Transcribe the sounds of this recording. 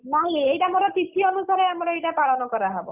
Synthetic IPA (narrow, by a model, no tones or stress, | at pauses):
nɔĩejʈamoɾɔt̪it̪ʰiɔnusaɾeamɔɾɔejʈapaɭɔnɔkɔɾaɦebɔ